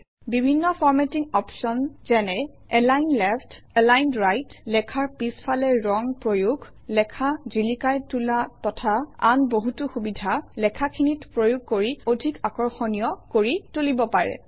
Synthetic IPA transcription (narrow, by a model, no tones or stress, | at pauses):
bibʱinːɔfʰɔɹmɛtiŋɔpsɔnzɛnɛ | ɛlajnlɛptɛlajnɹajtlɛkʰaɹpispʰalɛɹɔŋpɹojuɡʱ | lɛkʰazilikajtulatɔtʰaa̰nboɦutʊxubidʱalɛkʰakʰinitpɹojuɡ̚ʱkoɹiodʱikakɔɹxɔnijɔkoɹitulibɔpaɹɛ̰